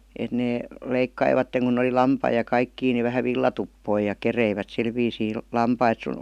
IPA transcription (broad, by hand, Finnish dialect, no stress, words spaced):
et neː leikːɑiʋɑtːeŋ kun̆ oli lɑmpɑi jɑ kɑikːiː ni ʋæhæ ʋilːɑtupːoi jɑ kereiʋæt sil ʋiːsiː lɑmpɑit sun